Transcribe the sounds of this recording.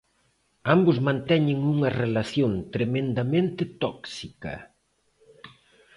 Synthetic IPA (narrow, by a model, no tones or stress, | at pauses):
ambʊzmãnt̪ɛɲɪŋuŋɐrelaθjõnt̪ɾemẽnd̪ɐmẽnt̪ɪt̪ɔksikɐ̰